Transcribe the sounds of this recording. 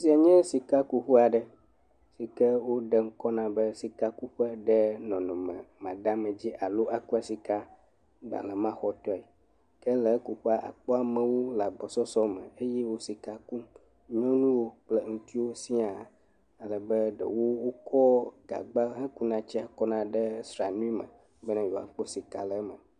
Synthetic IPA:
si˦a˨ɲɛ̃˦si˨ka˦ku˦ɸu˦a˨ɖɛ˨ | si˨kɛ˦wo˦ɖɛ˦ŋ̩˦kɔ˦nã˨bɛ˦si˨ka˦ku˦ɸɛ˦ɖɛ˦nɔ̃˨nɔ̃˨mɛ̰̃˨mã˨ɖa˦mɛ̃˨d͡ʑi˦ʔa˨lo˦ʔa˨ku˦a˦˨si˨ka˦ | ɖa̰˨lɛ˨mã˦xɔ˨˦t̪ɔ˦ɛ˨ | kɛ˦lɛ˨˦ku˦ɸu˦a˦ʔa̰˨k͡pɔ˦a˨mɛ̃˨wo˦la˨ɡ͡bɔ˨sɔ˦sɔ˦mɛ̰̃˨e˦jɛ˦wo˦si˨ka˨ku˦ | ɲɔ̃˦nũ˦wo˦k͡plə˨ŋũ˦t̪i˦wo˦si˦a˨ | a˨lə˨bɛ˦ɖə̰˨wo˦wo˦kʰɔ˦ɡ̥a̰˨ɡ͡ba˦ɦɛ̃˦ku˦nã˨t͡ɕi˦a˨kɔ˦nã˦ɖɛ˦sɾa˨nũ˦i˦mə̰̃˨ | bɛ˦nã˦jo˨a̰˨k͡po˦si˨ka̰˨lə˨˦mə̃˨

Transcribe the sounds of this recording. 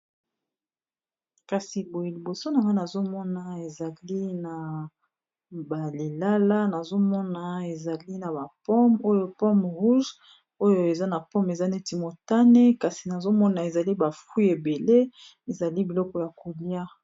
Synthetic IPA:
ka˨si˨bo˨e˨li˨bo˨so˦na˨ŋɡa˦na˨zo˦mɔ˦na˨e˨za˨li˦na˨ | ba˨li˨la˦la˦na˨zo˦mɔ˦na˨e˨za˨li˦na˨ba˨pɔ˦mo˦jo˦pɔ˦m˨ʁu˦ʒ | o˦jo˨e˨za˦na˨pɔ˦me˨za˦ne˦ti˨mo˨ta˦ne˦ka˨si˨na˨zo˦mɔ˦na˨e˨za˨li˦ba˨fwi˦e˨be˨le˦ | e˨za˨li˦bi˨lɔ˦kɔ˨ja˨ku˨lja˦

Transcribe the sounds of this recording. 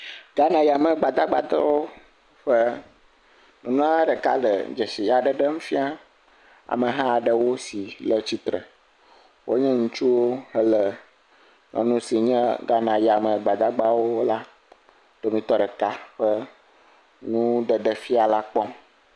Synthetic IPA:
ɡ̥a˦nã˨ji˨a˨mə˨ɡ͡ba˨d̪a˦ɡ͡ba̰˨d̪ə˦wo˦ | ɸə˦ | nũ˨nũ˦ã˦ɖə˨ka̰˦ɖə̰˨d͡ʒə˨si˨ja˨ɖə˨ɖə˦ŋũ˦fi˦a˦ | a̰˨mə˨ɦã˦˨ɖə˨wo˦si˨lə˦t͡ɕi˦t̪ɾə̰˨ | wʔo˦ɲɛ̃˦ŋũ˦t͡ʃu˦wo˦ɦə˦lə˨ | nʔɔ̰̃˨nũ˦si˨ɲɛ̃˦ɡa˦nã˨ja˨mə˨ɡ͡ba˨d̪a˦ɡ͡ba˦wo˦la˦ | d̪̥o˨mĩ˦t̪ɔ˦ɖə˨ka˦ɸə˦ | nũ˦ɖə˨ɖə˨fi˦a˨la˦k͡pɔ̃˦m

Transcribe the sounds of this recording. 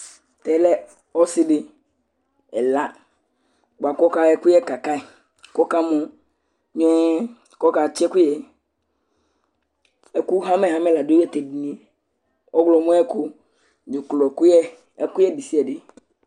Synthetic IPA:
t̪ɛ˨˦lɛ˦ | ɔ˦si˦ɖe˦ | ɛ̰˨la˦ | ɡ͡ba˨kɔ˦ka˦ɛ˦ku˦jɛ˦ka˨ka˦e˨ | kɔ˦ka˦mɔ̃˦ | ɲ˦ɛ˦ | kɔ˦ka˨t͡ʃi˦ɛ˦ku˦jɛ˨ | ɛ˨ku˦ɦã˦me˨ɦa˦mɛ˦la˨do˦ɛ˦t̪e˨di˨nĩ˦˨ | ʔɔ˦ɡlɔ˨mɔ̃˦ɛ˦ku˦ | d͡ʒe˨klɔ˨ku˦jɛ˦ | ku˦jɛ˦di˨si˦ɛ˨ɖe˨

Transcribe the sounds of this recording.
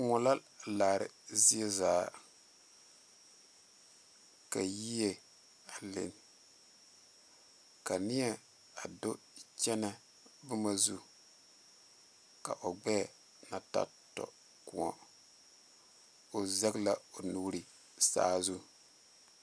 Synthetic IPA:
ŋʊ˨la˦ | laː˨ɾɪ̰˨zɪ˦ɛ˦zaː˨˦ | ka˨ji˦je˨ | a˨lɪ̰˨n | ka˨nɪ˦jɛ˦ | a˨do˦ | t͡ʃɛ˦na˦ | bʊ˦ma˦zu˦ | ka̰˨ʔo˨ɡ͡bɛː˦˨ | na˨ta̰˦ | tɔ̰˨ | ku˨ɔ̰˨ | o˨zɛ˦ɡla˦o˨nu˦ɾi˦ | sa̰ː˦zu˦

